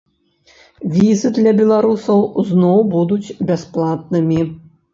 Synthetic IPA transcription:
vʲizɨd̪lʲɐbʲɛlˠaɾusɐwznɔwbud̪ut͡sʲbʲasplˠat̪̚nɨmʲi

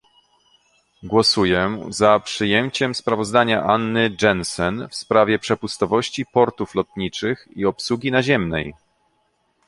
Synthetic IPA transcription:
ɡwɔsujɛzapʂɘjɛmt͡ɕɛmspɾavɔzd̪aɲaʔanːɘd͡ʐɛnsɛnfspɾavʲjɛpʂɛpust̪ɔvɔɕt͡ɕipɔɾt̪uflɔt̪ɲit͡ʂɘxiɔpsuɡʲinaʑɛmnɛ̰j

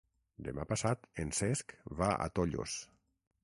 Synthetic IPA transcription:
d̪emapasat̪ensɛskβaʔa̰t̪oʎo̰s

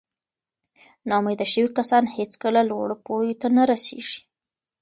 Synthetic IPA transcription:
nɑmed̪aʃəwikasɑnhet͡skəlalwa̰ɽopoɽjot̪anaɾasḛʒ̥i̥

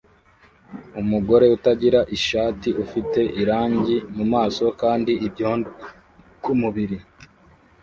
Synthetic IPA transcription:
umuɡo̞ɾe̞utaɟiɾaʔiʃaːtiʔufite̞ʔiɾaːɲɟimumaːso̞kaːndiːbjoːnd | kumuβiɾi

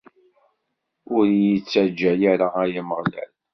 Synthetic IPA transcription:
ʊɾjit͡sːad͡ʒːæjaɾaæjaməʁlæ̰l

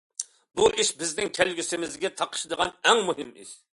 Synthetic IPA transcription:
buʔiʃbɪznɪŋkʲʰælɡʲysɪmɪzɡʲɛt̪ʰɑqʰə̥ʃd̪əʁɑnɛŋmuɦɪmḭʃ

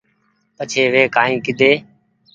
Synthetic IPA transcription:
pət͡ʃʰeːʋeːkaːĩːkɪd̪ʱeː

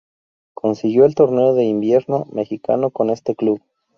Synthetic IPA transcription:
kʰo̞nsiɣjo̞elt̪o̞ɾne̞oðe̞imbje̞ɾno̞me̞xika̰no̞ko̞ne̞st̪e̞kluβ

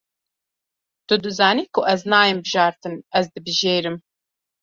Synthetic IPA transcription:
t̪ʊd̪ɨzɑːniːkʰʊʔɛznɑːjɨmbɨʒɑːɾt̪ɨnɛzd̪ɨbɨʒeːɾɨm

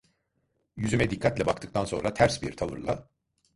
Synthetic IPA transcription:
jyzymɛd̪ikʰːat̪lʲɛbakt̪ʰɯk̚t̪ʰanso̞nɾat̪ʰæɾsbḭɾt̪ʰalˠɯ̰ɾlˠa̰

